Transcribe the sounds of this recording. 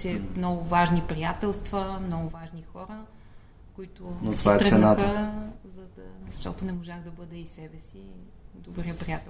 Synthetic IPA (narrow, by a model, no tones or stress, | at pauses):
ʃɛmnɔɡʊvaʒnipɾijat̪ɛlˠst̪vəmnɔɡʊvaʒnixɔɾə | koit̪ʊnot̪oɛvaɛt̪ɾəsɛnaxəzɐd̪ɐzɐʃt̪ɔ̰t̪ʊnɛmoʒaɣd̪ɐbɤd̪ɛisɛbɛsi | d̪obɾijəpɾijat̪ɛ